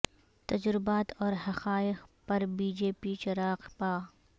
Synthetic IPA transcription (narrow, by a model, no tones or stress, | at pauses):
t̪ɐd͡ʒɾɪbaːt̪ɔːɾɦɐqaːɪqpɐɾbiːd͡ʒeːpit͡ʃɐɾaːqpaː